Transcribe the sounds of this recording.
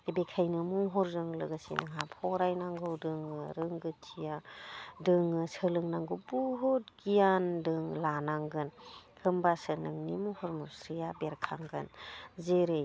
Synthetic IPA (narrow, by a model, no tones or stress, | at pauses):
ebekʰajnɯmuɦɔɾzɯŋlɯɡasḭnaŋapʰɔɾajnaŋɡɯwdɯŋɯɾɯŋɡɯtʰijadɯŋɯsəlɯŋnaŋɡubuɦɔt̚ɡijandɯŋlanaŋɡɯnkʰɯmbasɯnɯŋnḭmuhɔɾmuɾsɾijabeɾkʰaŋɡɯnzeɾɯj